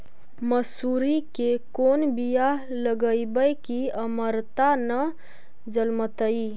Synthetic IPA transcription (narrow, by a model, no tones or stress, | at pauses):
məsuːɾikekoːnbija | ləɡəibəjkiəməɾt̪anə | d͡ʒəlmət̪əi